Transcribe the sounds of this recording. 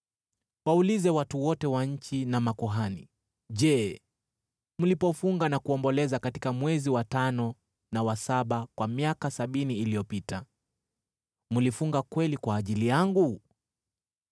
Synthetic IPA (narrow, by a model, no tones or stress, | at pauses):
waulizɛwatuwɔtɛwaɲ̩t͡ʃinamakɔɦani | ʄɛː | mulipɔfuŋɡanakuɔmbɔlɛzakatikamwɛziwatanɔ | nawasaɓakwamiakasaɓiniːlijɔpita | mulifuŋɡakwɛlikwaːʄilijaŋɡu